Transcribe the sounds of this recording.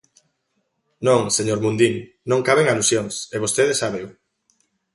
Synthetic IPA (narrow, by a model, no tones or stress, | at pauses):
nõŋseɲoɾmũnd̪iŋ | nõŋkaβeŋalusjoŋseβost̪eðesaβew